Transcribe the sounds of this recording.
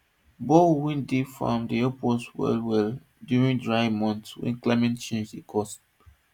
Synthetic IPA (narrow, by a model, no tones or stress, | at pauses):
bɔwĩndefã̰mdiɛpɔswɛ̰lwɛl | djuɹĩŋdɹaɪmɔ̃ntswɛ̰̃nklaɪmɛ̃ntt͡ʃẽnd͡ʒdəkʰɔst